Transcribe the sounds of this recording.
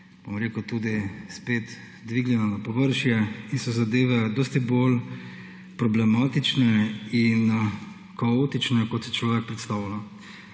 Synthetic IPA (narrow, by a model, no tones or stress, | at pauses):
b̥o̰mɾeːkət̪ud̪ispeːt̪ | d̪ʋiɡlʲjɛnanapɔʋəɾʃjɛinsɔzad̪eːʋɛd̪oːst̪ibol | pɾɔblɛmat̪it͡ʃnɛin | kaoːt̪it͡ʃnɛkɔt̪sjɛ̥t͡ʃlɔːʋɛk̚pɾɛt̪st̪anɔ